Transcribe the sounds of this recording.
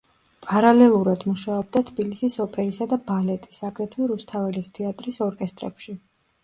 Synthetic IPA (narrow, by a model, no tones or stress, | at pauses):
pʼaɾalɛlˠuɾad̪muʃaɔb̚d̪at̪ʰbilisisɔpʰɛɾisad̪abalɛt̪ʼi̥sakʼɾɛt̪ʰwiɾust̪ʰavɛlist̪ʰɛat̪ʼɾisɔɾkʼɛst̪ʼɾɛ̰pʃi